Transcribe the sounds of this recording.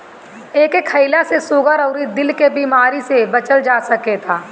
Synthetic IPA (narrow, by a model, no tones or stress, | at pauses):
eːkekʰːəɪlasesʊɡəɾɔːɾid̪ɪlkebiːmaːɾisebɐt͡ʃəld͡ʒaːsɐket̪ʰaː